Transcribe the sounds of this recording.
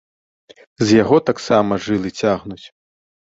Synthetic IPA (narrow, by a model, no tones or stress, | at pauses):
zʲjaɣɔt̪aksamɐʐɨlˠɨt͡sʲaɣnut͡sʲ